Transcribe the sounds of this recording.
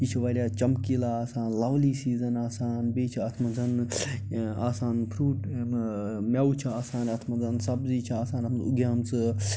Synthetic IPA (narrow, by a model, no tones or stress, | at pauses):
it͡ʃʰiʋɐɾʲaːt͡ʃɐmkilaaːsaːnlawliːsiːzɐnaːsaːnbeːt͡ʃʰiɐt̪ʰmɐd͡zɐn | aːsaːnpʰɾuːʈ | mʲɐwut͡ʃʰiaːsaːnɐt̪ʰmɐzɐnsɐbziːt͡ʃʰiaːsaːnɐtʰnuɡjaːmt͡sɨ